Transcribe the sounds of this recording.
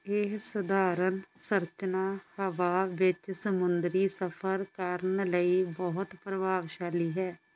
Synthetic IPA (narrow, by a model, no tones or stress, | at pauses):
eːsʊd̪ʱaːɾənsəɾt͡ʃənaːhəʋaːʋɪt͡ʃsəmʊnd̪ɾiːsəpʰəɾkəɾənləiːbɔɦʊt̪pɾəʋaːɡʃaːliːɦɛː